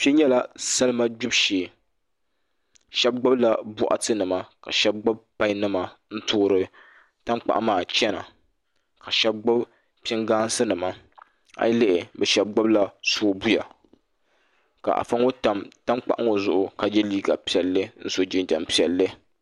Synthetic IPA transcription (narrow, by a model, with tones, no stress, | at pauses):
pi˦ɲɛ˦la˦sa˦lɨ˦ma˦d͡ʒʊ˦bʃeː˨ | ʃɛ˦b̚ɡ͡ba˦bla˨bʊ˦ʔa̰˨tɨ˦nɨ˨ma˨ka̰˨ʃɛ˦b̚ɡ͡ba˦b̚pa˦i˦nɨ˦ma˨n̩˦tʊː˦ɾɨ˦ | ta˦mk͡pa˨ʔa˦maː˨t͡ʃɛ˦na̰˨ | ka˨ʃɛ˦b̚ɡ͡ba˦b | pɪ˦ŋɡaː˦n˦sɨ˦nɨ˨ma˨ | a̰˨jlɪ˦ʔɪ˨bɛ˨ʃɛ˦b̚ɡ͡ba˦bla˦so˦bu˦ja̰˨ | ka̰˨ʔa̰˨fa˦ŋo˦ta˨mta˦mk͡pa˨ʔa˦ŋo˨zʊ˦ʔʊ˨ka˨d͡ʒɛ˦liː˦ɡa˨pi˨ɛ˨lːɨ˦n̩˦so˨d͡ʒɪ˨nd͡ʒa̰˨mpi˨ɛ˨lːɨ˦